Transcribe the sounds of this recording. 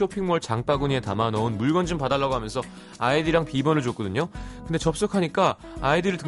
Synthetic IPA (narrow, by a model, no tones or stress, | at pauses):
opʰiŋmʌɭt͡ɕaŋp͈aɡuɲietamanʌɯnmuɭɡʌnd͡ʑɯmpadaɭːaɡoɦamjʌnsʰʌ | aidiɾaŋpibʌnɯɭt͡ɕok͈ʌdɯɲokɯnde̞t͡ɕʌp̚s͈okʰaɲik͈a | aidɯɾɯɭtɯ